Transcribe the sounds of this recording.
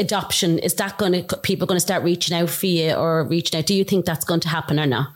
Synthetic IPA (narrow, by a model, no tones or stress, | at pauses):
ədɒpʃə̃nɪ̰zðətɡ̥õɪ̃nəɡpʰiːˑpl̩ˠɡʌñəstɑɹʔɹiːˑt͡ʃɪ̃ŋaʊtfəjəʔə˞ɹiːˑt͡ʃɪ̃ŋaʊt̚d̥əjəθɪ̃ŋk̚ðatsɡ̥oʊɪ̃ŋtʰəɦapə̃nə˞nə̰t